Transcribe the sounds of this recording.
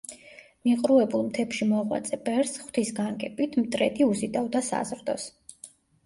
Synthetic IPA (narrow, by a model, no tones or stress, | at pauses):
miqʼɾuɛbulˠmt̪ʰɛpʃimɔʁwa̰t̪sʼɛbɛɾsχw̥t̪ʰisɡaŋɡʼɛpʼit̪ʰmt̪ʼɾɛd̪iuzid̪avd̪asa̰zɾd̪ɔs